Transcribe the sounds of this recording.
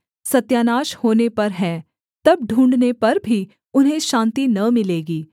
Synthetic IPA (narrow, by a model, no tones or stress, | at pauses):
sɐt̪jaːnaːʃhoːnepɐɾɦɛː | t̪ɐb̚ɖʱũːɳɖnepɐɾbʱi | ʊnɦẽʃãːnt̪inɐmɪleːɡiː